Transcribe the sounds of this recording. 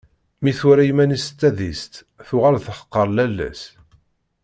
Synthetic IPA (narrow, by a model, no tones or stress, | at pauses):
miθuɾæjimænist̪ːæðist̪ | θʊʁalθəχə̥qːəɾˤlælːæ̰s